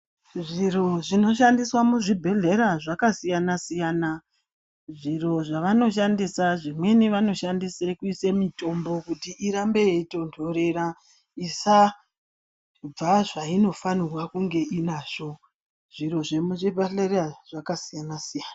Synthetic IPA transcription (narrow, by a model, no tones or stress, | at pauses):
ʐiɾo̞ʐino̞ʃ̬andiswamuʐibʱeɮe̞ɾaʐakasijanasijaːna | ʐiro̞ʐaʋano̞ʃandisaʐimwe̞niʋano̞ʃandise̞kuise̞mito̞mbo̞kutiʔiɾambe̞eito̞ntʰo̞ɾeɾa | isa | b͡vaʐaino̞fanirwakuŋɡe̞inaːʐo̞ | ʐ̥iro̞ʐemuʐibʱeɬeraʐ̥akasijanasijaːna